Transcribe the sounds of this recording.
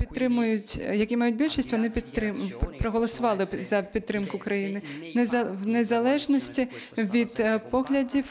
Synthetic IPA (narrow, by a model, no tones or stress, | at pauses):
pʲit̪ːɾɪmʊjʊt͡sʲjɐkʲimajut͡s̚ʲbʲilʲʂɐsʲt͡sʲvɐnɨpʲit̪ːɪmpɾɐɣɐlˠɐsʊvalˠɨzɐpʲit̪ːɾɪmkʊkɾajinɨnwnʲɛzalˠɛʐnɐsʲt͡sʲivʲid̪pɔɣlʲɐd͡zʲif